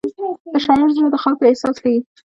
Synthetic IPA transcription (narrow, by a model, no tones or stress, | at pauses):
d̪̥əʃɑnɪɾzunad̪əxɑlkoehsɑskawi